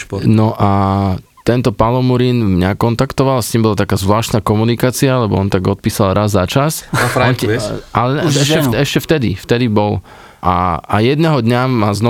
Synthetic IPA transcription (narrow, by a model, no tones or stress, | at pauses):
nɔʔa | t̪ɛnt̪ɔpalɔmuɾinmɲakɔnt̪akt̪ɔʋalast̪iːmbɔlat̪akaːzʋlaːʃt̪naːkɔmunikaːt͡sialɛbɔ̰ɔnt̪aɡɔt̪̚piːsalˠɾazːat͡ʃasfɾaɛalɛɛʃɛɛʃcɛft̪ɛd̪ḭft̪ɛd̪ibɔl | ʔa̰a̰jɛd̪nɛɦɔd̪ɲamːaznɔ